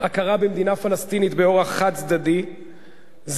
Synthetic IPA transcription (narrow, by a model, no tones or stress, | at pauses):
akaʁabemd̪inafalast̪init̪beo̞ʁaχːad̪zd̪ad̪i | z